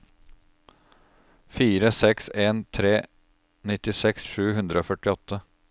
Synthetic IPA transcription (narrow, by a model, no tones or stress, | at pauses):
fiːɾəsɛkseːnt̪ʰɾeː | nɪt̪ɪsɛksʂʉːɦʉnd̪ɾəoːfœʈɪɔt̪ʰːə